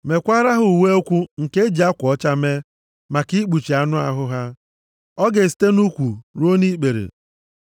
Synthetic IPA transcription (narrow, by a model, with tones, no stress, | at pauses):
me˨kʷa˦ɾa˦ɦʊ˨we˦o˦kʷu˦ŋ̩˨ke˦d͡ʒi˨a˦kʷɔ˨˦t͡ʃa˦me˦ | ma˨ki˦k͡pu˨t͡ʃi˨a˦nʊ˦a̰˦ɦʊ˦ɦa˦ | ɔ˦ɡe˨s̬i̥˨te˦nu˦kʷu˨ɾo˦ni˦k͡pe˨ɾḛ˨